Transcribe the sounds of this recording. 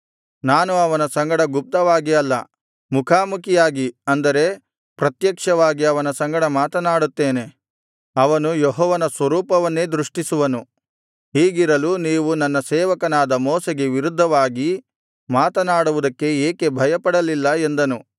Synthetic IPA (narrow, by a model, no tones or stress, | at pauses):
naːnuɐʋɐnɐsɐŋɡɐɽɐɡup̚t̪ɐʋaːɡiɐlːɐ | mukʰaːmukʰijaːɡiɐnd̪ɐɾe̞ | pɾɐt̪jɐkʂɐʋaːɡiɐʋɐnɐsɐŋɡɐɽɐmaːt̪ɐnaːɽut̪ːeːne̞ | ɐʋɐnujɔɦɔːʋɐnɐsʋɐɾuːpɐʋɐnːe̞ːd̪ɾuʂʈisuʋɐnu | ɦiːɡiɾɐluniːʋunɐnːɐsɛːʋɐkɐnaːd̪ɐmɔːseɡe̞ʋiɾud̪ʱːɐʋaːɡi | maːt̪ɐnaːɽuʋud̪ɐkːe̞eːke̞bʱɐjɐpɐɽɐlilːɐe̞nd̪ɐnu